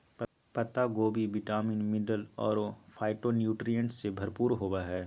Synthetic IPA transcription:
pɐt̪aɡoːbiʋɪʈaːminmɪɖəlɔ̰ːɾfʰaːɪʈonjuːʈɾijə̃ɳʈsebʱɐɾpuːɾɦoːbaɦɛː

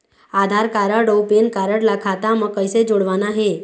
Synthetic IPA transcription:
ad̪ʱaɾkaɾəɽopenkaɾəɽlakʰat̪aməkəjsed͡ʒoɽʋanaɦe

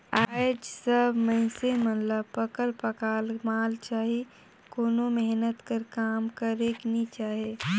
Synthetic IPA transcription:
aːɪd͡ʒsəbʱmə̃ɪ̃semət̪ləb̚pəkəlpəkaːlmaːlt͡ʃaːɦi | koːnomɛɦnət̪kəɾkaːmkəɾeːknit͡ʃaːɦie

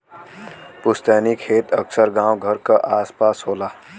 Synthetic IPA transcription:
pust̪anikʰet̪əksəɾɡãw̃ɡʱəɾkəʔaspasɦola

